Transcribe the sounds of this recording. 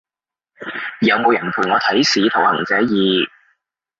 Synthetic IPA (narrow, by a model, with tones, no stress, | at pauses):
jɐ˨˧wmo˨˧wjɐ˨˩npʰuː˨˩nŋɔː˨˧t̪ʰɐ˨˥jsiː˨˧t̪ʰʊ˨˩whɐ̰˨˩ŋt͡sɛː˨˥jiː˨˧